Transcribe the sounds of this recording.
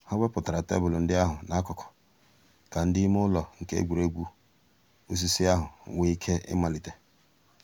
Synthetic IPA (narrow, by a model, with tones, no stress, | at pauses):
ha˦wʷe˦pʊ˨ta˨ɾa˨tḛ˦bʊ˨lʊ˨n̩˦dɪ˦a˦ɦʊ˨na˨a˦kɔ˨kʰɔ̥˨ | ka˨n̩˦dɪ˦m˦ʊ˦lɔ˨ŋ̩˨kḛ˦ɡʷu˨ɾe˦ɡʷu˦ | ṵ˦s̬i˦si˦a˦ɦʊ˨wʷe˦i˦kʰe˦ʔɪ̰˦ma˨li˨te˨